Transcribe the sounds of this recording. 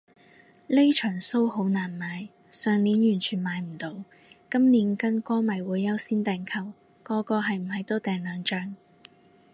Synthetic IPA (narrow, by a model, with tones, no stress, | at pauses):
le˥jt͡ʃʰœː˨˩ŋso˥who˨˥wnaː˨˩nmaː˨˧j | sœː˨ŋniː˨˥njyː˨˩nt͡ʃʰyː˨˩nmaː˨˧jm̩˨˩t̪o˨˧w | kɐ˥mniː˨˧˥nkɐ˥nkɔː˥mɐ˨˩jwuː˨˥jːɐ˥wsiː˥nt̪ɛː˨ŋkʰɐ˨˩w | kɔː˧kɔː˧ɦɐ˨jm̩˨˩hɐ˨˧jt̪o˥t̪ɛː˨ŋlœː˨˧ŋt͡ʃœː˧ŋ